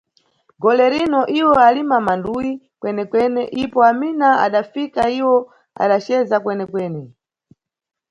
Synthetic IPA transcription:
ɡɔlɛɾinɔʔiwɔalimamandujikwɛnɛkwɛnɛʔipɔaminaa̰ɗafikaiwɔ | a̰ɗat͡ʃɛzakwɛnɛkwɛːnɛ

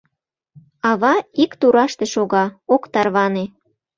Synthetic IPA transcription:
ɑβɑikt̪uɾɑʃt̪eʃoɣɑokt̪ɑrβɑne

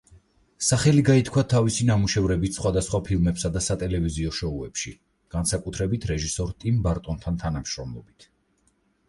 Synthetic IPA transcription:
saχɛliɡait̪ʰkʰwat̪ʰavisinamuʃɛvɾɛbit̪sχwad̪asχwapʰilˠmɛpsad̪asat̪ʼɛlɛviziɔʃɔuɛpʃi | ɡ̥ansakʼut̪ʰɾɛbit̪ʰɾɛʒisɔɾt̪ʼimbaɾt̪ʼɔnt̪ʰant̪ʰanamʃɾɔmlˠɔbit̪ʰ

